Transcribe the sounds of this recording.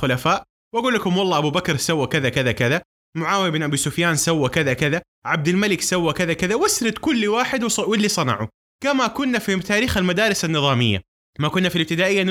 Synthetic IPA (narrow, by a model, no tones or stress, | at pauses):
ʊlafaːʔ | wʔaɡuːlːakʊmwɑlˤːɑːʔabubakɾsawːakɪðakɪðakɪða | mʊʕaːwijɪbɪnʔabiːsʊfjaːnsawːakɪðakɪða | ʕab̚d̪ɪlmalɪksawːakɪðakɪðawɪsɾɪt̪kʊlːwaːħɪd̪wwɪlːisˤɑnɑ̰ʕṵ | kamakʊnːafit̪aːɾiːxalmad̪aːɾɪsanːɨðˤɑːmɪjːa̰ | makʊnːafilɪb̚t̪ɪd̪aːʔɪjːa